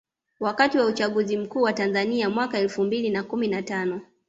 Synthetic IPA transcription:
wakatiwaut͡ʃaɠuzim̩kuːwatanzaniamwakaɛlfumbilinakuminatanɔ

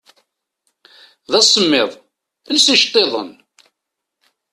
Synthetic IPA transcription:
ðæsˤəmːɪðˤ | əlsiʃt̪ˤːeðˤə̰n

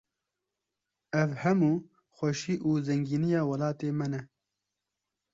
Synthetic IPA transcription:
ɛvhɛmuː | xʷɐʃiːʔuːzɛŋɡiːnijɑːwɐlɑːt̪eːmɛnɛ

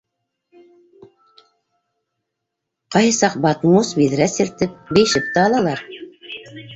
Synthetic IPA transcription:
qɑjsɑq̚bɑt̪musbiðɾæsĭɾt̪ɘp̚bɘ̆jʃɘp̚t̪æɑlˠɑlˠɑɾ

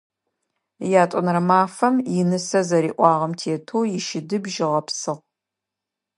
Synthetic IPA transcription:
jaːtʷʼʊnrɐmaːfɐmjɪnɨsɐzɐɾiːʔʷɑːʁɐmtʰeːtʰoːjɪʃɪdɨbʒɪʁɐpsɨʁ

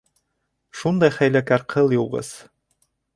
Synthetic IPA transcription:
ʃund̪ɑjχæjlækæɾqʰɤ̆lˠjuʁɤ̰s

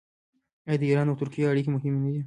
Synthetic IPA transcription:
ajd̪əiɾɑnawt̪ʊɾkijaaɽikemʊɦɪmwid̪i

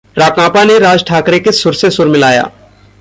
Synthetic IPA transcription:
ɾaːkãːpaneɾaːd͡ʒʈʰaːkɾekesʊɾsesʊɾmɪlaːja̰ː

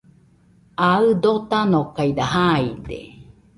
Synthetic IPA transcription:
aɯd̪ot̪anokaid̪aɦaid̪ḛ

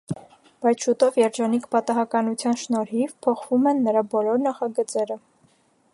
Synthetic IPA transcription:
b̥ɑjt͡sʰʃut̪ɔvjɛɾd͡ʒɑnikʰpɑt̪ɑɦɑkɑnut͡sʰjɑnʃnɔɾɦivpʰɔχvumɛnːəɾɑbɔlɔɾnɑχɑɡət͡sɛɾə

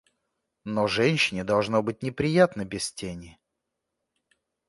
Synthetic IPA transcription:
noʐɛnʲɕɪnʲɪd̪ɐlˠʐnobɨt̚ʲnʲɪpɾʲɪjat̪nəbʲɪstʲenʲɪ

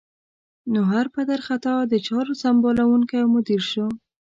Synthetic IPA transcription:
noɦaɾpad̪aɾxat̪ɑd̪ət͡ʃɑɾosambolawuŋkajmʊd̪iɾʃo

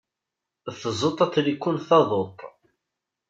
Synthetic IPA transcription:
θəzˤot̪ˤɑt͡sːlikʷːunθɑðˤot̪ˤː

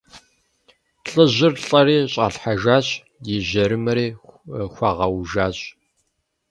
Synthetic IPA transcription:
ɬʼɨʑʷɪrɬʼɐriːɕʼa̰ːɬħaʒaːɕ | jɪʑɐɾɨmɐɾiːxʷɐʁɐwʒaːɕʼ

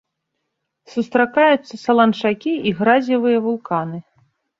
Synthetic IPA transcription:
sust̪ɾakajut̪sːɐsɐlˠɐnʂakʲiiɣɾazʲivɨjɐvulˠkanɨ

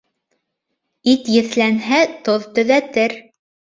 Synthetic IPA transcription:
it̪jɘ̆θlænɦæt̪oðt̪ɵ̆ðæt̪ɘɾ

